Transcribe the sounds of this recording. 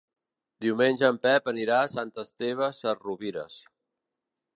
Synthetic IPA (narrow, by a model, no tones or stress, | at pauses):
d̪iumenʲʒəːmpɛpəniɾasant̪əst̪eβ̞əsəruβiɾə̰s